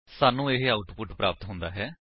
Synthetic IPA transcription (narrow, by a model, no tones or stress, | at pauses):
saːnũːeɦaːʊʈpʊʈpɾaːpət̪ɦʊ̃nd̪aːɦɛː